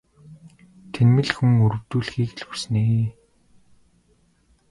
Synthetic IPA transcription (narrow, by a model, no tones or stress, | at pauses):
t̪ʰenmɘ̆ɮxuŋɵɾɵ̆w̥t̪uːɮxiːkɮurs̆neː